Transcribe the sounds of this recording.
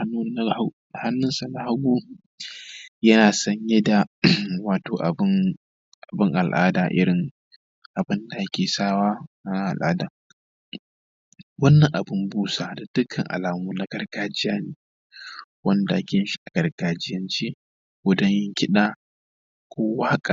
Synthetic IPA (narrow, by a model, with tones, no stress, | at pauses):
a˦n˦˨ | ha˦nːʊ˦nsa˨na˨˦ha˦ɡʷuː˦ | jɐ˦naː˨sɐ˦ɲjɛ˦da˨waː˨toː˨ʔa˨˦ | ʔa˨bɪ˦ŋʔa˨lʔa̰ː˦daː˨ʔɪ̰˦ɾɪ˨ŋ | ʔa˨bɪ˦nda˨ʔa˦kʲʰeː˨saː˦waː˦˨na˦ʔa̰˨lʔa̰ː˦daː˨ | wɐ˦nːɐ˨ŋʔa˨bʊ˦mbuː˦sa˨da˨d̥ʊ˦kʰɐ̰˨ŋʔa̰˨laː˨muː˦na˨˦ɡɐ˦rɡaː˦d͡ʒɪ˦jaː˦neː˨ | wɐ˦nda˨ja˦kʲɪ˨ɪ˦ʃi̥˦ʔa˨ɡ̥ɐ˨rɡ̥aː˨d͡ʒɪ˦jɐ˦nt͡ʃiː˦ | ɡʊ˦dɐ˦ɲjɪ˦ŋkʲɪ˦ɗaː˦ | kʷʰoː˦wa˦ha˦kʼa˨